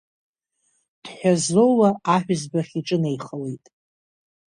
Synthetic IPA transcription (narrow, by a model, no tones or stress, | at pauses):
d̥ħʷᶣazo̞wlaaħʷᶣzbaχʲiʈ͡ʂʼɨne̞jχəlejtʼ